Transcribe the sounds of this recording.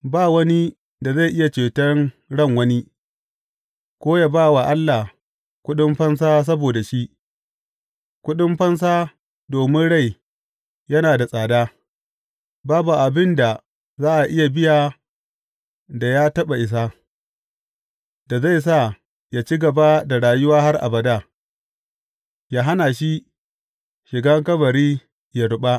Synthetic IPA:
baː˦˨wɐ˦ni˦ | da˨za˦˨jʔɪ˦ja˨t͡ʃeː˨tɐ˦ŋ | ɽɐ˦˨ŋwɐ˦ni˦ | kʷoː˦ja˦baː˦˨wa˨ʔa˦lːa˨ | kʷʊ˦ɗʊ˦mɸɐ˦ns̬aː˦s̬ɐ˦boː˨da˨ʃi˦ʔ | kʷʊ˦ɗʊ˦mɸɐ˦ns̬aː˦ | doː˨mɪ˦nɽa˦˨j | jɐ˦naː˨da˨sʼaː˨daː˦ | baː˦bu˨ʔa˨bɪ˦nda˨ | zaː˦ʔa˨ʔɪ˦ja˨bɪ˦jaː˨ | da˨ja˦tɐ˦ɓa˨ʔɪ˨s̬a˦ | da˨za˦˨js̬a˦˨ | jaː˦t͡ʃi˦ɡɐ˨ba˦da˨ɽaː˨jʊ˦waː˦ha˦rʔa̰˨bɐ˨daː˦˨ | jaː˨ɦa˦na˨ʃi˦ | ʃɪ˨ɡa˦ŋkɐ˦bɐ˨ɾiː˦ | ja˨ɽʊ˦ɓa˦

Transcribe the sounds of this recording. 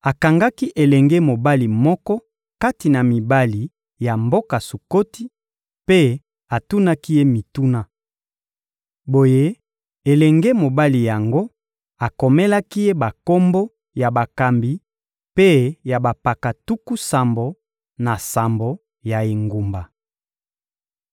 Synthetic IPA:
a˨ka˨ŋɡa˦ki˦ʔe˨lɛ˨ŋɡe˦mo˨ba˦li˨mɔ˦kɔ˦ | ka˦ti˨na˨mi˨ba˦li˨ | ja˨mbo˦ka˨su˨ko˦ti˦ | pe˦ | a˨tu˦na˦ki˦je˦mi˨tu˦na˦ | bo˨je˦ | e˨lɛ˨ŋɡe˦mo˨ba˦li˨ja˨ŋɡo˦ | a˨ko˨me˦la˦ki˦je˦ba˨ko˦mbo˦ | ja˨ba˨ka˨mbi˨ | pe˦ja˨ba˨pa˨ka˨tu˦ku˦sa˨mbo˨ | na˨sa˨mbo˨ | ja˨e˨ŋɡu˨mba˨

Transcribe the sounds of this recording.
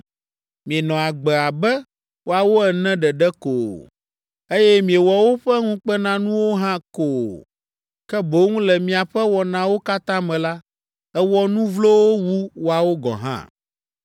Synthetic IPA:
mĩ˨e˨nɔ̃˨a˨ɡ͡bɛ˨a˨bɛ˦ | wʔo˦a˨wo˦ɛ˨nɛ̃˦ɖɛ˨ɖɛ˦ko˨ | e˦jɛ˦mĩ˨e˨wɔ˨wo˦ɸɛ˦ŋũ˦k͡pɛ˦nã˦nũ˦wo˦ɦã˦ko˨ | kɛ˦bo˦ŋũ˦lɛ˨mĩ˨a˨ɸɛ˦wɔ˨nã˦wo˦ka˦t̪ã˦mɛ̃˨la˦ | ɛ˦wɔ˦nũ˦vlo˦wo˦wu˦wo˦a˨wo˦ɡɔ̰̃˨ɦã̰˦

